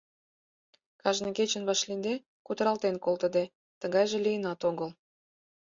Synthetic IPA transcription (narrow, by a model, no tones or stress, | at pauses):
kɑʒneket͡ɕə̆nβɑʃlind̪e | kut̪əɾɑlt̪enkolt̪ə̆d̪e | t̪əɣɑjʒelijənɑt̪oɣəl